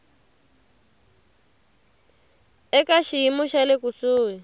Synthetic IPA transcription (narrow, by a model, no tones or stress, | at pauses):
ɛkaʃijimuʃalekusuːwi